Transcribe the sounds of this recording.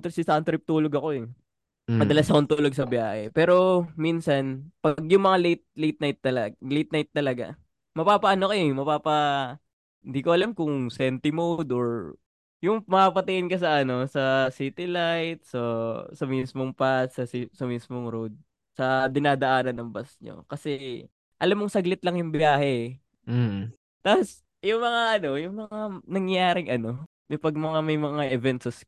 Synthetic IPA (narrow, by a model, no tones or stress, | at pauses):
t̪ɪsɪsant̪ɾɪp̚t̪uːloɡɐko̞ɛ | mɐd̪ɐlasɐkont̪uːloɡ̚sɐbɪjaːhɛpɛːɾo̞minsɐnpɐɡ̚jʊŋmɐŋalet̪̚lejt̪̚najt̪ːɐllejt̪najt̪ːɐlɐɡa̰ | mɐpaːpɐʔɐnokɐɛmɐpaːpɐ | ɪnd̪iːkoʔɐlamkʊŋsɛnt̪ɪmowd̪oɹ | jʊŋmɐapɐt̪ɪʔɪnkɐs̬ɐʔɐno̞sɐsiːt̪ɪlajt̪̚sɐsɐmismoŋpassɐsisɐmiːsmoŋɾowd̪̚ | sɐd̪ɪnaːd̪ɐʔaːnɐnːɐmbɐsɲo̰kɐsɛ | ʔɐlamːoŋsɐɡlɪt̪̚lɐŋjʊŋbɪaːhɛ | t̪as | jʊŋmɐŋaʔɐno̞jʊŋmɐŋanɐŋjaːɾɪŋʔɐno̞ | jʊpɐɡ̚mɐŋamɐjmɐŋaʔɛvɛnt̪sɛs